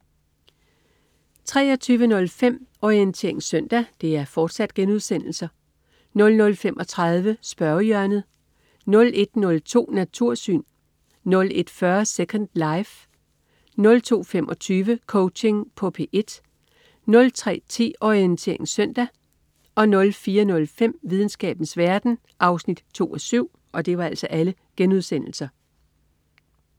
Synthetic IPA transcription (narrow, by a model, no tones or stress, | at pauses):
t͡sʰʁɛ̰ːɒ̽t͡sʰyːʋənɔ̽lfem̰ɒient͡sʰe̝ɐ̰e̝ŋsœn̰d̥æd̥e̝æɐfɒːd̥sæd̥ɡ̥enuð̞ˠsen̰l̩sɐ | nɔ̽lnɔ̽lfem̰ʔɒ̽t͡sʰʁað̞ˠʋəsb̥ɶɐjœɐnð̩ˠ | nɔ̽le̝d̥nɔ̽lt͡sʰo̝̰ːnæt͡sʰuɐ̰sy̰ːnː | ɔ̽le̝d̥fɶɐsekʰɒnd̥lɑ̈ɪf | nɔ̽lt͡sʰo̝̰ːfem̰ʔɒ̽t͡sʰyːʋəkʰɔʊt͡ɕe̝ŋpʰɒ̽pʰe̝ʔe̝d̥ | nɔ̽lt͡sʰʁɛ̰ːt͡sʰe̝̰ːɒient͡sʰe̝̰ɐe̝ŋsœn̰d̥æ | ʔɒ̽nɔ̽lfiːɐnɔ̽lfem̰ʋið̞ˠn̩sɡ̥ɛ̰ːb̥n̩sʋæɐd̥n̩ | ʔɑ̈ʊsnid̥t͡sʰo̝̰ːɒsyʊ̰ | ʔɒ̽d̥e̝ʋɑ̈æl̰sɒ̽ʔæləɡ̥enuð̞ˠsen̰l̩sɐ